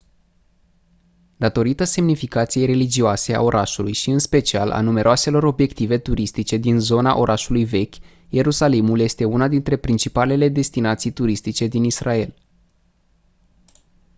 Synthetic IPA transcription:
d̪at̪o̞ɾit̪əse̞mnifikat̪sijejre̞lid͡ʒioase̞a̰o̞ɾʔaʃulujʃiɨnspe̞t͡ʃialʔa̰nume̞ɾʔoase̞lo̞ɾo̞bje̞kt̪ive̞t̪uɾist̪it͡ʃe̞d̪inzo̞na̰ʔo̞ɾʔaʃulujve̞kʲ | je̞ɾusalimuljest̪e̞unad̪int̪ɾe̞pɾint͡ʃipale̞le̞d̪e̞st̪inat̪sijt̪uɾist̪it͡ʃe̞d̪inisrae̞l

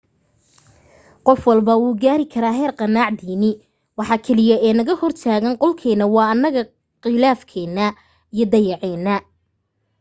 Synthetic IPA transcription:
qɔfwɑlbɐwuːɡaːɾɪkʰɐɾaːɦɛːrqɑnaːʕd̪iːnɪ | wɑħɑːkʰɛlɪjɐɛːnɐɣɐhɔrt̪ʰaːɣɐnqɔlkʰɛːnɐwɑːɐnːɐɣɐ | qɪlaːfkʰɛːnːɐ | ijɞd̪ɐjɑʕɛːnːɐ

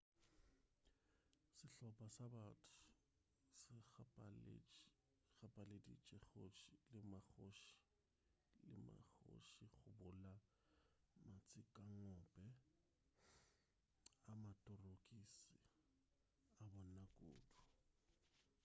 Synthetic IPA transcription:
sɪɬɔpʼasabatʰʊ̥ | sɪpal̰ | ɣapʼaledḭt͡ʃʼɛχoʃilɪmaχoʃi̥ | lɪ̰ma̰χo̰ʃiɣʊbʊla | mat͡sʼɪkʼaŋɔpʼɛ | amatʼʊrokʼisɪ | abɔnakʼo̰ːdu

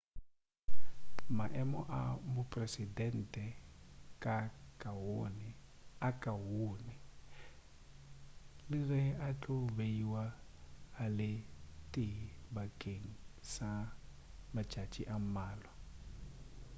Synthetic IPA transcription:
maʔɛmɔʔamʊpʼresidɛn̩tʼɛkʼakʼawonɪ | akʼawoːnɪ | lɪrɪat͡ɬʼʊbeiwaː | lɪtʼɪbakʼeŋ̩sa | mat͡ʃʼat͡ʃʼḭʔam̩maːlwa

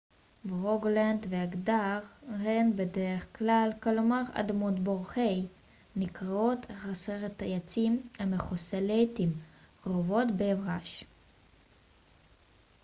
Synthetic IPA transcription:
bʁoɡlandveaɡdaʁʁenbedeʁeχklalkalomaʁa̰d̪amot̪boʁχej | nikʁao̞tχaseʁet̪ajat͡simameχoselejtimʁovo̞tbeːvʁaʃ

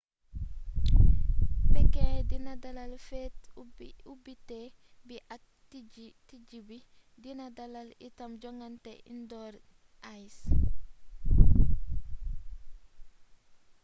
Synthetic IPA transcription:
tɛkɛdinadalalfɛtubitɛ | biʔa | ti | tid͡ʒibi | dinadalalḭtamd͡ʒɔŋɡantɛʔḭndɔɾ | ʔajs

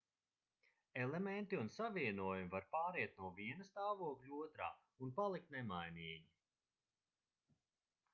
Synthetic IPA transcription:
ɛlˠement̪iunsaviɛnuɔjumivaɾpaːɾiɛt̪̚nuɔviɛnɐst̪aːvuɔklʲuuɔt̪ɾa̰ː | unpalˠik̚t̪nɛmajniːɲi

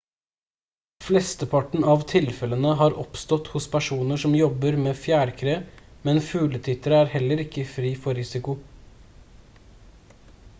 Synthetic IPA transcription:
flɛst̪əpʰɑʈɳ̩ɑʋt̪ʰɪlfɛlənəɦɑːɾʔɔpst̪ɔt̪hʊspʰæʂuːnəʂɔmjɔbəɾmeːfjæːɾkʰɾeːmɛnfʉːlət̪ʰɪt̪əɾəæːɾhɛləɾɪkːəfɾiːfɔɾɪsɪkʊ

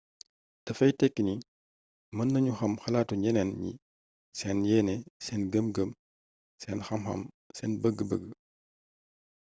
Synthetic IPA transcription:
tɐfɐjtɛkːini | mɐnːɐɲuxɐmxɐlaːtuɲɛnɛnɲḭ | sɛːnjɛːnɛsɛːnɡəmɡəm | sɛːnxɐmxɐ̰m | sɛːnbəɡːəbəɡːə

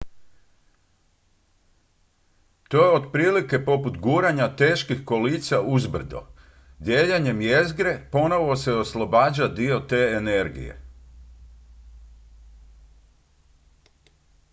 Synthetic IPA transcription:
t̪o̞jeod̪pɾiːlike̞po̞put̪ɡuːɾaɲat̪e̞ːʃkixko̞liːt̪saʔuzbr̩d̪o̞̰ | d̪jeːʎeɲe̞mje̞zɡɾe̞po̞no̞ʋo̞se̞o̞slˠobaːd͡ʑad̪io̞t̪e̞ːeneɾɡḭjḛ

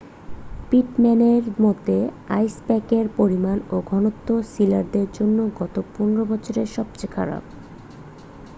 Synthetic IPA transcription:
piʈmɛneɾmot̪e | a̰jsbɛkeɾpoɾimanoɡʱɔnot̪ːosilaɾd̪eɾd͡ʑonːoɡɔt̪opunɾobɔt͡ɕʰoɾeʃɔb̚t͡ɕekʰa̰ɾa̰b

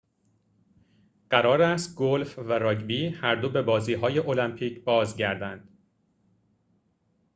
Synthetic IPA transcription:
ɢ̥æɾɒːɾæst̪̚ɡolfvæɾɒːɟbiːhæɾd̪obe̞bɒːziːɦɒːje̞ʔo̞læmpʰiːcʰbɒːzɟæɾd̪ænd̪̥

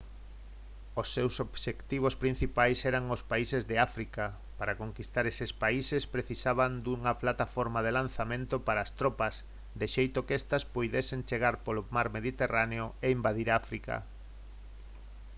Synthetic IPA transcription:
osːewsobʃekt̪iβ̞ospɾĩn̟θipajsɛɾaŋospaisezðeafɾika | paɾakoŋkist̪aɾesespaisespɾeθisaβand̪uŋɐplat̪afɔɾmað̞elanθamẽnt̪opaɾaːst̪ɾɔpɐs | d̪eʃejt̪okɛst̪ɐspojðesent͡ʃeɣaɾpolomaɾmeðit̪eraneoeimbaðiɾaafɾika̰

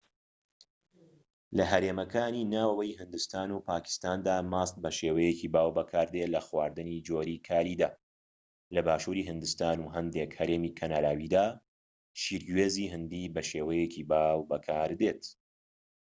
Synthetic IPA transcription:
lɐɦɐɾeːmɐkʰaːniːnaːwɐwɐjhɨnd̪ɨst̪aːnupʰaːkɪ̥st̪aːnd̪aːmaːst̪̚bɐʃeːwɐjeciːbaːwbɐkʰaːɾd̪elɐxwaːɾd̪ɨniːd͡ʒoːɾikʰaːɾiːd̪aː | lɐbaːʃuːɾiɦɨnd̪ɨst̪aːnuɦɐnd̪ekhɐɾeːmiːkʰɐnaːɾaːwiːd̪aː | ʃiːɾɡweːziːɦɨnd̪iːbɐʃeːwɐjeciːbaːwbɐkʰaːɾd̪eːt̪

